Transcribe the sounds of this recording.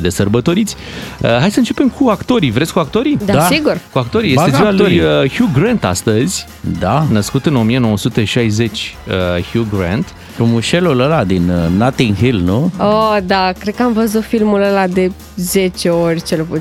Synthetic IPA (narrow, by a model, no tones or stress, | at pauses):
d̪esərbət̪o̞ɾit̪sʲ | əɦajsəɨnt͡ʃe̞pe̞mkʰuakt̪o̞ɾivɾet̪sʲkuak̚t̪o̞ɾid̪aasiɡurkuak̚t̪o̞ɾijesteziwalojəhjuɡɾant̪a̰st̪əzʲ | d̪anəskut̪ɨno̞mije̞no̞wosut̪eʃajze̞t͡ʃʲəhjuɡɾant̪ | fɾumuʃe̞luləlad̪innat̪iŋɦilnuod̪akɾed̪̚kəamvəzut̪filmuləlad̪e̞ | ze̞t͡ʃeorʲt͡ʃelepu